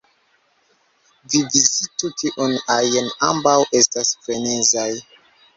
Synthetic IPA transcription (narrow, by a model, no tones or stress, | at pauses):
vivizitutiʔɔnajɛnambawʔestasfɾenenzaj